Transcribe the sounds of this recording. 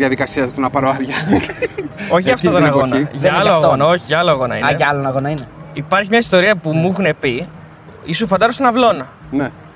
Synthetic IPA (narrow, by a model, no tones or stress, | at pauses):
jɐðikɐsiɐst̪onɐpɐɾoɐɾʝɐ | o̞çiɐft̪ot̪onɐɣo̞nɐʝɐɐloɐɣonɐoçiʝɐɐloɐɣo̞nɐ̰ḭneʝɐɐlonɐɣonɐineipɐɾçimɲɐist̪o̞ɾiɐpumuxunepi | isufɐnd̪ɐzost̪onɐvlo̞nɐ | ne